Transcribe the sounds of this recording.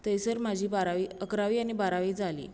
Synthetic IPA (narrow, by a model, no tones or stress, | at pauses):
t̪əjsəɾm̤ad͡ʑʱiːbaɾaʋiːəkɾaʋiːañibaɾaʋiːd͡zʱalḭː